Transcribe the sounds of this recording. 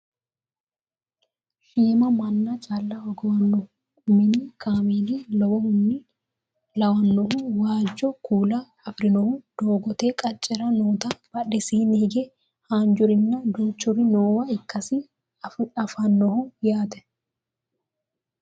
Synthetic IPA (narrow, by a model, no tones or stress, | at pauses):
ʃiːmɐmɐnːɐt͡ʃʼalːɐhɔɡɔwɐnːɔhʊ | ʊmɪnːɪkʰaːmiːlilɔwɔhʊnːɪ | lɐwɐnːɔhʊwaːd͡ʒːɔkuːlɐːfɾɪnɔhʊd̪̥oːɡɔt̪eːkʼɐt͡ʃʼːɛɾɐnoːt̪ɐb̥ɐᶑɛsiːnɪhɪɡɛ | haːnd͡ʒʊɾɪnːɐd̪oːt͡ʃːʊɾɪnoːwɐɪkːɐsɪ | ɐfɐnːɔhʊjaːt̪ɛ̥